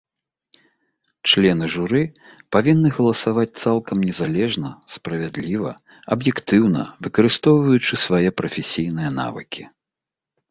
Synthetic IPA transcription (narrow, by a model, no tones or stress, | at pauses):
t͡ʂlʲɛnɨʐuɾɨpavʲinːɨɣɐlˠɐsavat͡sʲt̪salˠkɐmnʲɛzalʲɛʐnɐspɾɐvʲad̪lʲivɐ̰ | ɐbjɛkt̪ɨwn̪ɐ̰vɨkɐɾɨst̪ɔwvɐjut͡ʂɨsvajɛpɾɐfʲɛsʲijnɨjɐna̰vɨ̰kʲʰi